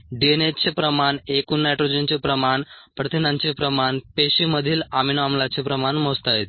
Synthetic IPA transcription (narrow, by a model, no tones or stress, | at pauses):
ɖienet͡sepɾəmaɳekunajʈɾod͡ʑent͡ɕepɾəmaɳpɾət̪ʰinãɲt͡ɕepɾəmaɳpeɕiməd̪ʱiːlaminamlat͡sepɾəmaɳmost̪aet̪̚